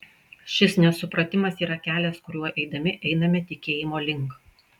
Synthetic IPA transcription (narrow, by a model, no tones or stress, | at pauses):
ʃʲɪsnʲɛsʊpɾɐt̪ʲɪmɐsiːɾɐkʲæːlʲɛskʊɾʲuɔʔɛɪd̪ɐmʲɪʔɛɪnɐmʲɛt̪ʲɪkʲeːjɪmoːlʲɪŋk